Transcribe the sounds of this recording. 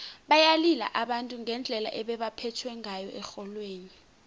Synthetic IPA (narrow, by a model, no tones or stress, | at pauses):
ɓajalila̰ʔaɓantʼuŋʱɛnd͡ɮʱɛla̰ʔɛɓɛɓapʰɛtʰwɛŋajɔ̰ʔɛxɔlweːni